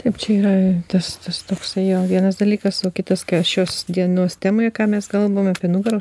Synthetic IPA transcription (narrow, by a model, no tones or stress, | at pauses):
t̪ɐɪpt͡ʃʲɛiːɾɐt̪ɐst̪ɐst̪oːksɐɪjoːʋʲiɛnɐs̬d̪ɐlʲiːkɐsoːkʲɪt̪ɐskɐʃʲuɔsd̪ʲiɛnuɔst̪ʲæːmoːjɛkɑːmʲɛskɐlˠʋɐʋoːmɐpʲiɛnʊɡɐɾoː